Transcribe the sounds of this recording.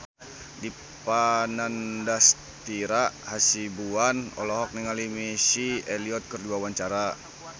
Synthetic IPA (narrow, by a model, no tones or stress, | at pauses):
di | panandas | t̪iɾahasibuanɔ̰lɔɦɔk̚niŋalimisieliɔt̪̚kərduawaɲt͡ʃaɾa